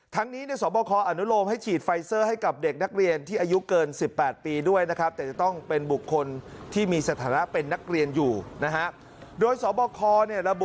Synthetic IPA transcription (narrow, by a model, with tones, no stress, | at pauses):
t̪ʰa˦˥ŋniː˦˥ni˥˩sɔː˩˦bɔː˧kʰɔː˧ʔa˧nu˦˥ɾoː˧mɦa˥˩jt͡ɕʰiː˨˩t̪̚fa˧jsɤː˥˩ha˥˩jka˨˩p̚de˨˩k̚na˦˥k̚ɾi˧ənt̪ʰiː˥˩ʔaː˧ju˦˥kɤː˧nsi˨˩pːɛː˨˩t̪̚piː˧du˥˩əjna˦˥kʰa˦˥p̚t̪ɛː˨˩t͡ɕa˨˩t̪ɔ˥˩ŋpe˧nbu˨˩kʰːo˧nt̪ʰiː˥˩miː˧sa˧t̪ʰaː˩˦na˦˥pe˧nːa˦˥k̚ɾi˧ənjuː˨˩na˦˥kʰa˦˥ʔ | doː˧jsɔː˩˦bɔː˧kʰɔː˧ni˥˩əɾa˧bu˨˩